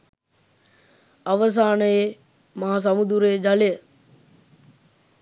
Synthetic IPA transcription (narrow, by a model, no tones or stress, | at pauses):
ɐʋəs̬aːnəe | maɦas̬ɐmud̪uɾeːd͡ʒalejə